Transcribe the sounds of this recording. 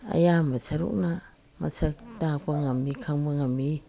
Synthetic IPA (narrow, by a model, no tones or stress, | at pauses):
ɐ̰jamasʰaɾṵk̚na | mɐ̰sʰɐk̚tak̚pɐŋamikʰaŋbaŋami